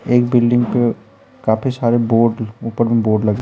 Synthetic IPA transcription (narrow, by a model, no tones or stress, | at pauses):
eːkbɪlɖɪ̃ŋɡpe | kaːpʰisaːɾeboːɖuːpəɾmẽboːɾɖlɐɡ